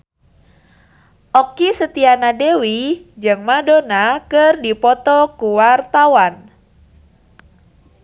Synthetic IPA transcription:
ʔɔkisət̪ianadewid͡ʒɨŋmadonakɨrdipɔt̪ɔkuwart̪awan

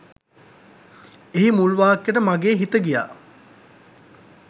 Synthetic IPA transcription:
eɦimulʋaːkjeʈəmaɡeːɦit̪əɡija̰ː

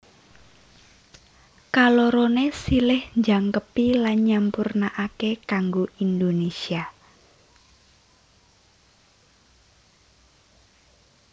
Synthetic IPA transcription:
kaloɾonesilɪhɲd͡ʒaŋkəpilanɲampurnaʔakekaŋɡoʔind̪onesia

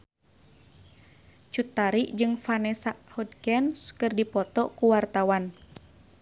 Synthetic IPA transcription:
t͡ʃut̪aɾiʔd͡ʒɨŋfanɛsaʔhɔd̚kɛnskɨrdipɔt̪ɔkuwart̪awan

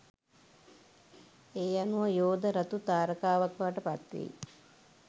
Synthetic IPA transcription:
eːjanuʋəjoːd̪əɾat̪ut̪aːɾəkaːʋakʋaːʈəpat̪ʋḭi

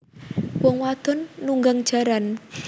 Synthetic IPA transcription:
wɔŋwad̪̥ɔ̤nːuŋɡaŋd̥ʒ̥a̤ɾan

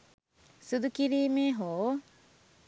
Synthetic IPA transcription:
sud̪ukiɾiːmeːɦoː

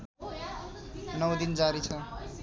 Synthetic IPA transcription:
nʌwd̪ind͡zaɾit͡sʰʌ

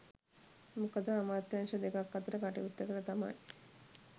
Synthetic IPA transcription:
mukəd̪əamaːt̪janʃəd̪ekakːat̪əɾəkaʈḭʋut̪ːəkəɾət̪ama̰j

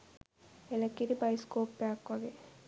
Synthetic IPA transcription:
elɐkːiɾibɐjskoːpːaːkːaɡe

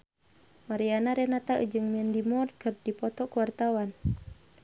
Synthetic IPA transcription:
maɾianaɾɛnat̪aʔɨ̰d͡ʒɨŋmiɛndimɔrkɨrdipɔt̪ɔkuwart̪awan

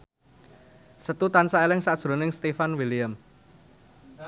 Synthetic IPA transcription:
sət̪ut̪ansaelɪŋsad̥ʒ̥ɾo̤nɪŋst̪efanwilijəm

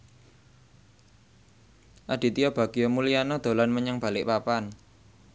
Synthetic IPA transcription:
ʔad̪̥i̤t̪iab̥a̤ɡ̥ijɔmulijanɔd̪̥o̤lanməɲəŋb̥a̤lɪʔpapan

